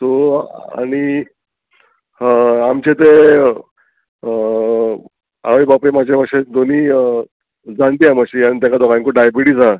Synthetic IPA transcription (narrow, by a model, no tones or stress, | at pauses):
t̪oa̰ɽ̃i | amt͡ɕet̪e | a̰ʋəjbapemad͡ʑeʋaɕed̪oniː | d͡zant̪iamaɕiːañit̪jakad̪ɔɡãŋkuɖajbiɽiːd͡za